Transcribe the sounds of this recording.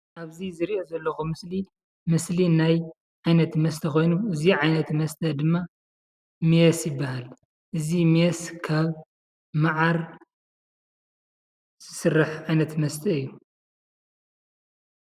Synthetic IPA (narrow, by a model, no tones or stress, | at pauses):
ʔaβzizɨɾiʔo̞zɐlːɐxumɨsli | mɨslinaj | ʕajnɐt̪mɐst̪ʰɐko̞jnuɨziʕajnɐt̪mɐst̪ʰɐd̪ɨmːa | mijɛsjɪbːahal | ʔɨzimijɛskʰaβ | maʕaɾ | z̥ɨsɨrːaħʕajnɐt̪mɐst̪ʰɐɨjːu